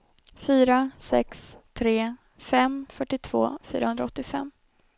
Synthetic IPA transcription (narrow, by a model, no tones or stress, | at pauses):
fyːɾasɛ̰kst̪ʰɾeː | fɛmːfœʈːɪt̪ʰv̥o̰ːfy̰ːɾa̰hɵnd̪ɾaɔt̪ːɪfɛ̰mː